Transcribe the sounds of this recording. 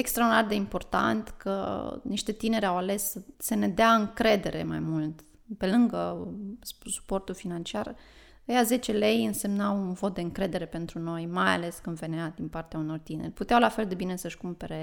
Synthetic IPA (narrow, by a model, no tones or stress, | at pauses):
ekst̪ɾawd̪inard̪e̞impo̞rt̪a̰nt̪kʰə̰niʃt̪e̞t̪ine̞ɾʲawale̞ssəne̞d̪eaɨŋkɾe̞d̪e̞ɾʔe̞̰ma̰jmult̪ | pe̞lɨŋɡəssu̥po̞rt̪ulfinant͡ʃiar | əjaze̞t͡ʃe̞le̞jɨnse̞mnawunvo̞t̪̚d̪e̞ɨŋkɾe̞d̪e̞ɾe̞pe̞nt̪ɾuno̞jmaja̰le̞skɨnd̪ve̞nead̪inpart̪eauno̞rt̪ine̞̰rʲput̪eawlafe̞ld̪e̞bine̞səʃkumpe̞ɾe